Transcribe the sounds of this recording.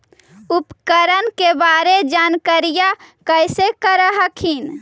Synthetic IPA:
upkəɾənkebaɾed͡ʒankəɾijakəɪsekəɾəɦəkʰin

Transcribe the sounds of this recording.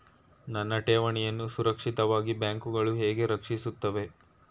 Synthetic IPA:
nɐnːɐʈeːʋɐɳɛjɐnːusuɾɐkʂit̪ɐʋaːɡibjaːŋkuɡɐɭuɦeːɡe̞ɾɐkʂisut̪ːɐʋe̞

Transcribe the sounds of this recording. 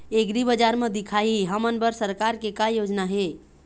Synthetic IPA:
eɡɾibəd͡ʒaɾmẽd̪ikʰaiɦəmənbəɾsəɾkaɾkekajod͡ʒnaɦe

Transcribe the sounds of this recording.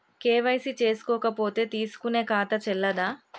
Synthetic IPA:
keːʋɐjsit͡ʃe̞ːsu̥kɔːkɐpo̞ːt̪e̞ːt̪iːsu̥kune̞ːkaːt̪ɐt͡ʃɛlːɐd̪aː

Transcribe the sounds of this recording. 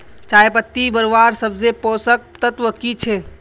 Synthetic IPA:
t͡ʃaːjpət̪ːibəɾʋaɾsəbzepoːsək̚t̪ət̪ʋəkit͡ʃʰe

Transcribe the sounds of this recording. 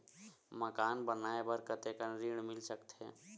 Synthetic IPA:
məkaːnbənaebəɾkət̪ekənɾiɽ̃milsəkt̪ɦɛ̰̃

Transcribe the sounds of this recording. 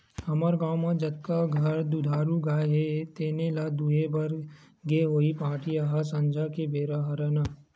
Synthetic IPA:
hɐməɾɡaːwmãd͡ʒɐt̪̚kaɡʱɐɾd̪ud̪ʱaːɾuɡaːɦet̪eːnelad̪uɦebɐɾ | ɡeɦoːipaːʈijaɦasɐ̃nd͡ʒʱakebeːɾaɦɐɾəna

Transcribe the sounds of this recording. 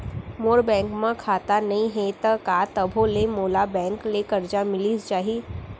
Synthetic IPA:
moːɾbɛ̃ːŋkmãkʰaːt̪anɐɦĩɦet̪ɐkaːt̪ɐbʱolemoːlabɛ̃ːŋklekɐɾd͡ʒamɪlit͡ʃaːɦi

